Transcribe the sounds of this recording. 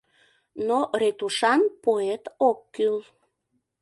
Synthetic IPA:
noɾet̪uʃɑnpoet̪okːyl

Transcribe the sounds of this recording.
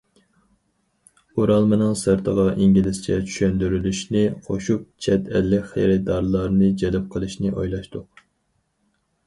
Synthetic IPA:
oɾɑlˠmɨnɨŋsɨɾt̪ʰəʁɑʔiŋɡʲilɪst͡ʃʰɛ̰t͡ʃʰy̥ʃønd̪yɾylyʃnɪqʰoʃup̚t͡ʃʰɛt̪ʰɛlːɪkʲχḛɾɪd̪ɑɾlˠɑɾnɨd͡ʒɛlɛp̚qʰəlˠɨʃnɪʔojlˠɑʃt̪ʊq̚

